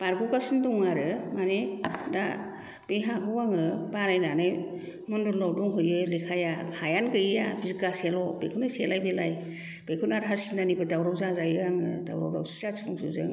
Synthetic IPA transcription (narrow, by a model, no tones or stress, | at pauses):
paɾɡukasindɔŋaɾɯmaneda | b̥eɦaɡuwaŋɯbanajnanɯj | mɔndɔɾlɔwduŋɦɯjɯjlikʰajahajankɯjja̰bizikaselɔbekʰɯnɯjselajbelaj | b̥ekʰunaɾɦasinanibɯdawɾawzazajɯaŋɯ̰da̰wɾa̰wda̰wsi̥zasʰɔŋsɯzɯ̰ŋ